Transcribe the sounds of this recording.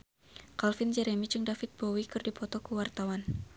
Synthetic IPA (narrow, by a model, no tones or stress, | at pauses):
kalfɪnd͡ʒɛɾemid͡ʒɨŋdafɪt̪̚bowikɨrdipɔt̪ɔkəwart̪awan